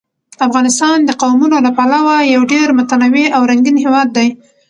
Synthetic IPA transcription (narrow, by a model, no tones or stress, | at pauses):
afɣɑnɪst̪ɑnd̪əqawmunolapalawajawɖeɾmʊt̪anaweʔawɾaŋɡinhewɑd̪ːaj